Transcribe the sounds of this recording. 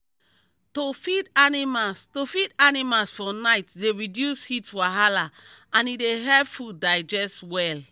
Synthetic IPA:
tofidanimastofidanimalsfɔnaɪtdeɹidjushitwaɦalaãnideɦɛlpfudaɪd͡ʒɛstwɛl

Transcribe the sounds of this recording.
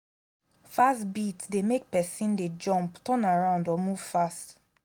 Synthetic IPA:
fastbitsdemek̚pɛsĩnded͡ʒɔ̃mptʰɔ̃naɹãʊ̃ndɔmuv̥fast

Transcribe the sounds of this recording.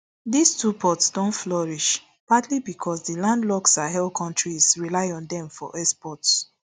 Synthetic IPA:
distupʰɔtsdɔ̃ntflɔɹiʃ | patlibikʰɔsdilãndlɔksaɦɛlkʰɔ̃ntɹisɹilaɪɔ̃ndɛ̃mfɔ̰ʔɛspɔts

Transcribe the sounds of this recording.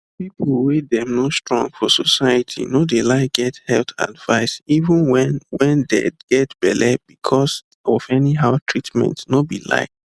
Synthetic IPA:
pipl̩wedɛ̃mnostɹɔ̰̃ŋɡfɔsɔsaɪjətʰḭnodelaɪk̚ɡ̥ɛthɛlθa̰dvaɪsivə̃nwɛnwɛ̃ndḛɡ̥ɛtb̥ɛlɛb̥ikʰɔs | ɔvɛniɦaʊtʰɹitmɛ̰̃ntnobila̰ɪk̚

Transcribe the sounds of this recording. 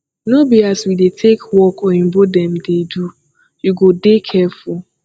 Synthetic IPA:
nobiiaswidetʰekwɔkɔĩmbodɛ̃mdedu | juɡodekʰɛfu

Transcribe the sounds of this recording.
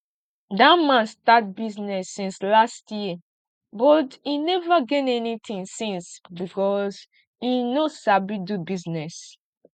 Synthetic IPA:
damãnstat̚biznɛsːĩnslastji | bɔtinɛvaɡɛnɛnit̪ʰĩŋsĩnsbikɔz | inosabidubiznɛs

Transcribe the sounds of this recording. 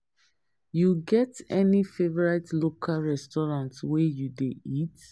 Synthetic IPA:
juɡɛtɛnifevɔɹatlokʰalɹɛstɔɹãntswejudḛit

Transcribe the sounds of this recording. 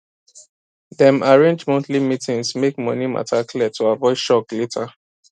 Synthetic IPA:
ðɛ̃maɹẽnd͡ʒmɛ̃ntʰlimitĩŋsmek̚mɔnima̰tʰakʰlitʰuavɔɪdʃɔkletʰa

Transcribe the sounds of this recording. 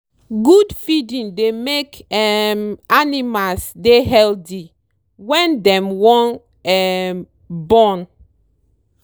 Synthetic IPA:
ɡudfidĩndemekɛmanimasdeɦɛlti | wɛ̃ndɛ̃mwɔ̃n | ɛm | bɔ̃n

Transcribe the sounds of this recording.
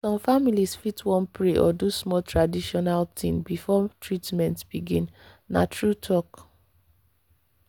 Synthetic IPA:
sɔ̃mfamilisfitwɔ̃npɹeʔɔ̰dusmɔtɹadiʃɔnaltʰĩmbifɔtɹitmɛ̃ntb̥iɡĩn | na̰tʰɹutʰɔk

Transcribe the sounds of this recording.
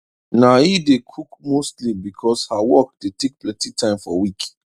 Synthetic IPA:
naidekʰukmostlibikʰɔshawɔk̚detek̚plɛ̃ntitʰãɪ̃mfɔ̰wik

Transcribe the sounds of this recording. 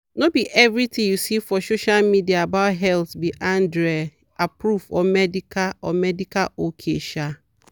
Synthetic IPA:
nobiʔɛvɾitĩŋjusifɔsoʃalmidiaːbaʊtɦɛltbiʔãndɾɛ | apɹufɔ̰mɛdikaɔmɛdikalokʰḛʃa

